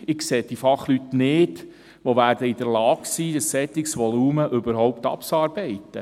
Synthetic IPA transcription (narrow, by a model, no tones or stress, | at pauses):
ɪkseːd̥ifɑχlytnɪːd | ʋoʋæːɾdəɪd̥̪əɾlɑːksiːdəsːɛt̪ɪksʋɔluːməʔʏbəɾhɔwpt̪ɑ̰pt͡sɑːɾbɛɪtːə